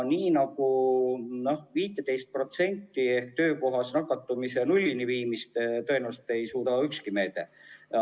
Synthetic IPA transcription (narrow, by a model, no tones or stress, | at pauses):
niːnɑku | no̞hviːt̪ːˑet̪e̞jst̪̚pro̞t̪se̞nʲt̪ːie̞hk̚t̪ø̞ːko̞ɦɑsnɑkːˑɑt̪ːˑumise̞nulʲːiniviːmist̪t̪ɤenæːvuse̥t̪e̞jsuːt̪ɑykskime̞ːt̪ḛ